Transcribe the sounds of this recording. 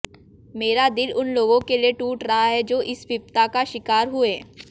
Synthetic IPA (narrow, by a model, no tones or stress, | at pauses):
meːɾad̪ɪlʊnloːɡõkelieʈuːʈɾɐɦaɦɛd͡ʒoːʔɪspɪp̚t̪akaʃɪkaːɾɦʊeː